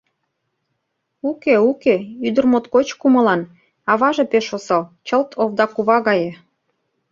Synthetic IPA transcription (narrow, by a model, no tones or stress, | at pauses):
ukeukeyd̪ə̆rmot̪kot͡ɕkumɤ̆lɑn | ɑβɑʒepeʃosɑlt͡ɕəlt̪ʰoβd̪ɑkuβɑɣɑjĕ